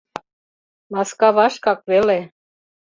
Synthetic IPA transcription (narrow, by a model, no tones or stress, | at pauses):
mɑskɑβɑʃkɑkvele